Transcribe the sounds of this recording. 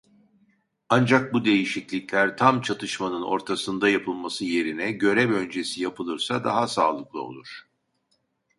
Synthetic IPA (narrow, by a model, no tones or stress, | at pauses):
and͡ʒak̚bud̪e̞jiʃiclʲicʲlʲæɾt̪ʰamt͡ʃʰat̪ʰɯʃmanɯno̞̰ɾt̪ʰasɯnd̪ajapʰɯlˠmasɯje̞ɾinɛɟø̞ɾɛvø̞nd͡ʒe̞sijapʰɯlˠɯɾsad̪aɦasa̰ːlˠɯklˠɯo̞̰lˠuɾ̥